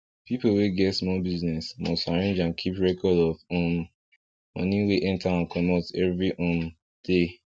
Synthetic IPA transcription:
pipoweɡɛtsmɔlbiznɛsmɔstaɹẽnd͡ʒãnkʰipɹɛkʰɔdɔvɔ̃n | mɔ̰̃niweʔɛ̃ntaãnkʰɔmɔtɛvɹiʔɔ̃n | d̥e

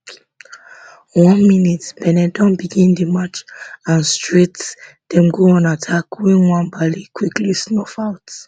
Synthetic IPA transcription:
wɔ̃nminitpɛnɛdɔ̃nbiɡĩndəmat͡ʃãnstɹet | d̥ɛ̃mɡoɔ̃natʰakwɛ̃nwãnbalikʰwiklisnɔfaʊt

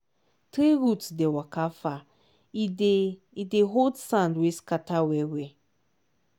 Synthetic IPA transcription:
tɾeɾutdewakafa | ide | ideɦodsãndweskatawewe

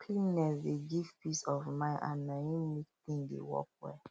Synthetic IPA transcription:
kʰlinɛdeɡivpisɔvmãɪ̃nã̰nːãjĩmik̚t̪ĩŋdḛwɔ̰kwɛ̰

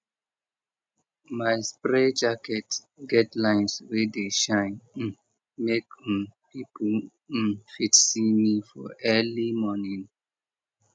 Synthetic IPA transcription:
maɪspɹɛd͡ʒakɛt | ɡɛtlãɪ̃nswedeʃãɪ̃n̩ | mekpipʰɔ | fitsimifɔʔɛlimɔnĩn

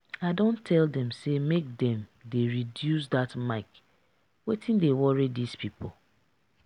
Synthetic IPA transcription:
aɪdõntʰɛldɛ̃msemek̚dɛ̃mdeɹidjus̬datmaɪk | wetĩndewɔɹidispipol̩

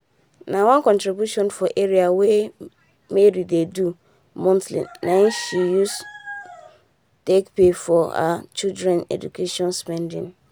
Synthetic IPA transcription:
nãwɔ̃nkʰɔ̃ntɾibjuʃɔ̃nfɔʔeɾiawɛ | meɾidedu | mɔ̃ntʰlḭ̃ːãʃijus | tekpʰefɔha̰t͡ʃʰildɹɛ̃nɛ̰dṵkʰeʃɔ̃nspɛ̃ndɪ̰̃ŋ

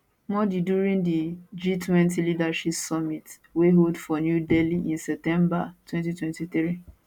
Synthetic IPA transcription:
mɔdiduɹĩndid͡ʒitʰwɛ̃ntilidaʃipsɔmit | weɦoldfɔnjudeliʔĩnsɛp̚tɛ̃mbatwɛ̃ntitwɛ̃ntiθɹi

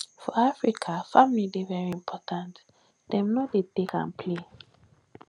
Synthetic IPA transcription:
fɔafɹikʰafãmilidevɛɹiĩmpʰɔtʰãnt | d̥ɛ̃mnɔdetekã̰npʰle

